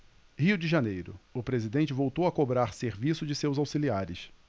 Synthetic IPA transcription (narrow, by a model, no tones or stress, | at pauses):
hiʊd͡ʒɪʒanejɾʊʊpɾezid̪ẽnt͡ʃɪvowt̪owɐkobɾaɾseɾvisʊd͡ʒɪsewzawsiliaɾɪs